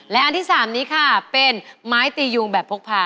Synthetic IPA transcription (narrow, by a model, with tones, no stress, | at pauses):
lɛ˦˥ʔa˧nt̪ʰiː˥˩saː˨˩˦mniː˦˥kʰa˥˩pe˧nmaː˦˥jt̪iː˧ju˧ŋbɛː˨˩pʰu˦˥kpʰaː˧